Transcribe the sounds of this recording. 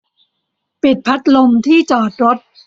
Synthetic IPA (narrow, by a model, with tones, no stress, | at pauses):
pi˨˩t̪̚pʰa˦˥t̪̚lo˧mt̪ʰiː˥˩t͡ɕɔː˨˩t̪̚ɾo˦˥t̪̚